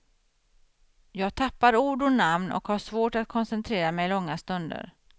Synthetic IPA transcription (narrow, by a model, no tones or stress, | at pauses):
jɑːɡ̚t̪ʰapːaɾuːɖʊnamnʔɔ̰khaʂvoːʈat̪̚kʰɔnsɛnt̪ʰɾeːɾamɛjlɔŋːast̪ɵnd̪ə̰ɾ